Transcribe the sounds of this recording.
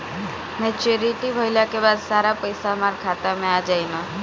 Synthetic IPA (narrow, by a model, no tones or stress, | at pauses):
mɛ̃t͡ʃeɾiʈibʱojljakebad̪saɾapəjsamaɾkʰat̪amẽad͡ʒajno